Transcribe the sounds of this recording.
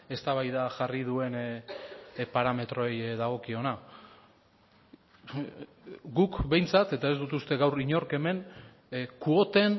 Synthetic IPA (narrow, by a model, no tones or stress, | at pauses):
e̞st̪aβajðaʝarið̞ue̞n | paɾame̞t̪ɾo̞ejðaɣ̞o̞kio̞na | ɡukbe̞jnt͡sat̪e̞t̪aezd̪ut̪ust̪e̞ɣawriɲo̞ɾke̞me̞n | kuo̞t̪e̞n